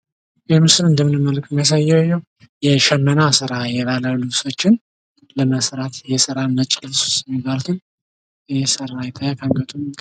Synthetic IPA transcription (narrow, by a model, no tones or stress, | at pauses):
jɛmɨsɨlɨnd̪əmːɨnɨmːəlkʼɨmjas̬ajːɛwjːɛw | jɛʃɛmːənasɨɾajɛβaləlɨβso̞t͡ʃːɪn | ləməsɾat̪jɛsɨɾanːət͡ʃʼːɪlsu̥st̪jɛmibːalut̪ʰɨn | jɛsəɾajɛt̪ʰajakʰaŋɡət̪ʼum